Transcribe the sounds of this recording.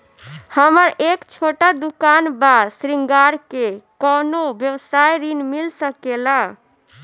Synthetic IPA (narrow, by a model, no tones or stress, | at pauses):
həməɾekt͡ʃʰoʈad̪ukanbadsɾiŋɡaɾkekɔnobjəwsajɾinmilsəkela